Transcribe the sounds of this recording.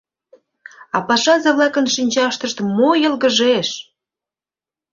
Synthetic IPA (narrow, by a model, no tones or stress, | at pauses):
ɑpɑʃɑzɑβlˠɑkənʃinʲt͡ɕɑʃt̪əʃt̪mojəlɣəʒeʃ